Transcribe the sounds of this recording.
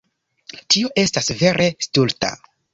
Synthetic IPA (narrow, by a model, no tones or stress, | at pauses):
tio̞ʔe̞stasve̞ɾʔe̞stulta̰